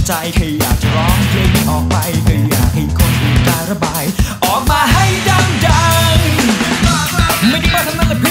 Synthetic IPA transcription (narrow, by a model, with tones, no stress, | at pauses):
t͡ɕa˧jkʰɤː˧jːa̰ː˨˩k̚t͡ɕa˨˩ɾɔː˦˥ŋpeː˧mi˧˩ʔɔː˨˩k̚pa˧jkʰɤ˧jːa̰ː˨˩k̚ha˧˩jkʰo˧nti˨˩kaː˧jɾa˧baː˧jʔɔː˨˩k̚maː˧ɦa˥˩jdaː˧˩ŋt͡ɕa˧ŋ | ma˥˩jt̪ʰiː˧˥˩waː˥˩t̪ʰa˥ŋnaː˥˩la˧˩pʰ